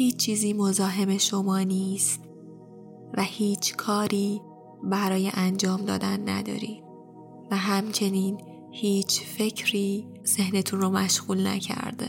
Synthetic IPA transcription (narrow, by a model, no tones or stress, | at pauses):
hiːt͡ʃt͡ʃːʰiːziːmo̞zɒːɦe̞me̞ʃo̞mɒːniːst̪ | væhiːt͡ʃʰkʰɒːɾiː | bæɾɒːjeʔænd͡ʒɒːmd̪ɒ̰ːd̪ænːæ̰d̪ɒ̰ːɾiː | væɦæmt͡ʃʰe̞niːn | hiːt͡ʃʰfe̞cʰɾiː | z̥ehne̞t̪ʰunromæʃɣ̥uːlnæ̰cʰæ̰ɾd̪ḛ